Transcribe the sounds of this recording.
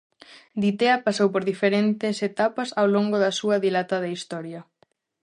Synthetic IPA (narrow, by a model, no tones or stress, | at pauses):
d̪it̪eɐpasowpoɾðifeɾent̪eset̪apasawloŋɡoðɐsuɐðilat̪aðeist̪ɔɾjɐ